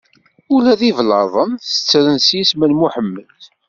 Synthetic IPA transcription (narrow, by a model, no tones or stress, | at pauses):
ulæðivlɑðˤənθə̥t͡sːɾənsjisməlmuħəmːəl